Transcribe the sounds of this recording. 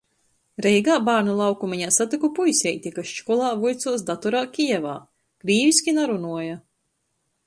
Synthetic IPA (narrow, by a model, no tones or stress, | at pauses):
ɾɛjɡaːbaːɾnulˠawkumiɲaːsat̪ikupujsʲɛjt̪ʲikaʃt͡ʃkɔlˠaːvujt̪suɔs̬d̪at̪uɾaːkʲiɛvaː | kɾiːvisʲkʲinaɾunuɔja